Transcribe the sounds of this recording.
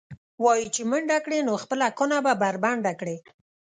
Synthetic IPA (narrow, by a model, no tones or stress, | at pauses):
wɑjit͡ʃeməɳɖakɽenoxpəlakonababaɾbaɳɖakɽe